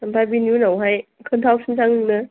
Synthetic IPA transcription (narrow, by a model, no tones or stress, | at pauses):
ampajbinjunawɦajkʰɯntʰawsʰɯnsaŋɯnɯ